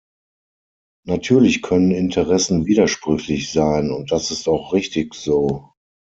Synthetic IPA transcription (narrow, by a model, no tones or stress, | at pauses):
natʰyːɐlɪçkʰœnənɪntʰəʁɛsn̩viːdɐʃpʁ̥ʏçlɪçz̥aɪnʊnt̚d̥asɪstaʊxʁɪçtɪçz̥oː